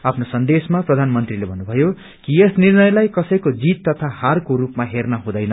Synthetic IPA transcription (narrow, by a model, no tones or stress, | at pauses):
apʰnosʌnd̪esmaprʌd̪ʱanmʌnt̪rilebʱʌnːubʱʌjo | kiʌsnirnʌjlajkʌsʌjkod͡zit̪ːʌt̪ʰaharkoɾupmaɦernʌɦũd̪ʌjnʌ